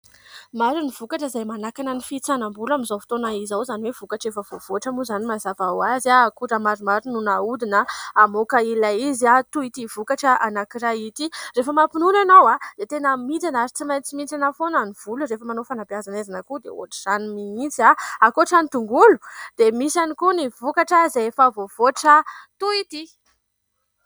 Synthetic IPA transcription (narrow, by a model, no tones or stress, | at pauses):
maɾiniv̥ukaʈ͡ʂəizajmanakanənifit͡sanambulamizawfi̥t̪onaizawzaniwev̥ukaʈ͡ʂefəv̥ov̥uaʈ͡ʂamuzanimazavawazaːkuɾəmaɾumaɾinunaud̪inəamokailaizat̪uit̪iv̥ukaʈ͡ʂəʔanakiɾait̪irefəmapinunanowad̪̥et̪enəmit̪anaɾit͡simajnt͡simit͡sanafonaniv̥uluɾefəmanofanapiazanezanəkud̪ḛo̰ʈ͡ʂi̥z̥animiint͡siaakoʈ͡ʂanit̪uŋɡulu̥d̪̥emisanikunivukaʈ͡ʂəzeefavov̥oʈ͡ʂət̪uit̪i